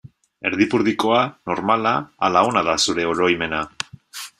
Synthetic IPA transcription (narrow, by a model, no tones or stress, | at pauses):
e̞ɾðipuɾðiko̞ano̞ɾmalaːlaonaðasuɾe̞oɾo̞jme̞na